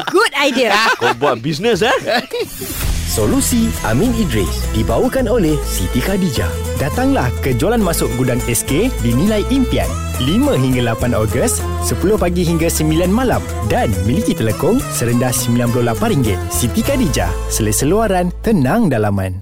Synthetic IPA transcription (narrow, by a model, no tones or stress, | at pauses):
ɡudajdiəkɔbuat̪̚bis̬nəs̬a | solusia̰mĩnidɾisdibawəkanolɛhsit̪ikadid͡ʒa̰dat̪aŋlahkəd͡ʒualanmasʊʔ̚ɡudaŋɛskedinĩlajʔimpia̰n | limãɦiŋɡalapanɔɡəst̪ | səpulʊhpaɡiɦiŋɡasəmbilanmalam | danmilikit̪ələkʊŋsəɾəndahsəmbilanp̬lʊhlapariŋɡɪt̪̚sit̪ikadid͡ʒa̰sələsəluaɾant̪ənãŋdalamã̰n